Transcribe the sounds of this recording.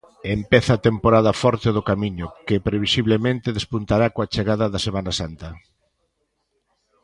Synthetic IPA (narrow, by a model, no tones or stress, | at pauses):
empɛθɐːt̪empoɾaðɐfɔɾt̪eðʊkamiɲʊkɪpɾeβisiβlemẽnt̪eðespunt̪aɾakoat͡ʃeɣaðɐðɐsemanasant̪ɐ